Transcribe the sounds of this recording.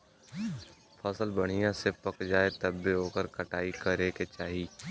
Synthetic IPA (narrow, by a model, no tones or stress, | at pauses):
fʰɐsəlbɐɽ̤ijãsepɐkd͡ʒaːet̪ɐbːeɦoːkəɾkɐʈaːikɐɾeːket͡ʃaːɦiː